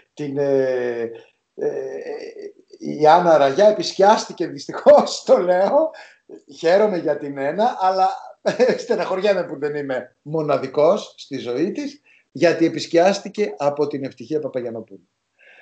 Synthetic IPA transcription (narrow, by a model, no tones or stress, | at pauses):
t̪ine | ɐnɐɾɐʝɐe̞pisciɐst̪ice̞ðist̪ixo̞st̪o̞le̞o̞ | çe̞ɾo̞me̞ʝɐt̪ine̞nɐʔɐlɐst̪enɐxo̞ɾʝɐmepuðe̞nime̞ | mo̞nɐðiko̞sːt̪izo̞it̪is | ʝɐt̪ie̞pisciɐst̪ice̞ʔɐpo̞t̪ine̞ft̪içiɐpɐpɐʝɐno̞puli